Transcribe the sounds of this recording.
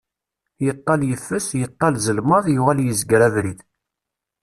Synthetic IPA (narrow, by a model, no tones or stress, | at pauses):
jət̪ˤːɑljəfːəsjət̪ˤːɑlzəlməðˤjuʁæljəzɡɾævɾið